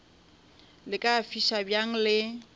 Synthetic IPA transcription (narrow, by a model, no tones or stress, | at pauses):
lɪkʼafiʃabjaŋ̩lɪ